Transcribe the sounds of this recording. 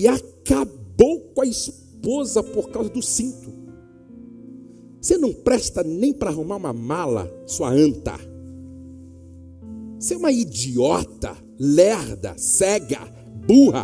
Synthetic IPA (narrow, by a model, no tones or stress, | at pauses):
iakabowkõɐis | pozɐpoɾkawzɐd̪ʊsĩnt̪ʊ | senɐ̃w̃pɾɛʃt̪ɐnẽj̃pɾɐaɦumaɾũmɐmalɐ̰suɐ̰ɐ̃nt̪ɐ̰ | seũmɐid͡ʒiɔt̪ɐ̰ | lɛɾd̪ɐ̰sɛɡɐ̰ | buhɐ̰